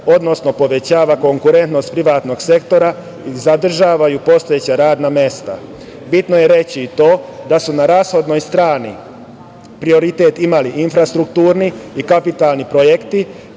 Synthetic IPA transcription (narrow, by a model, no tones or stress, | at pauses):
o̞d̪no̞sno̞po̞ʋe̞t͡ɕaːʋako̞ŋkuɾe̞nt̪no̞st̪pɾiʋaːt̪no̞ɡse̞kt̪o̞ɾa | izad̪r̩ʒaːʋajupo̞st̪o̞jet͡ɕaɾaːd̪namje̞st̪a̰ | bit̪noje̞ɾe̞t͡ɕiːt̪o̞ːd̪asunaɾaːsxo̞d̪no̞jst̪ɾaːnḭ | pɾio̞ɾit̪eːt̪imaliʔinfɾast̪ɾukt̪uːɾniikapit̪alnipɾojekt̪i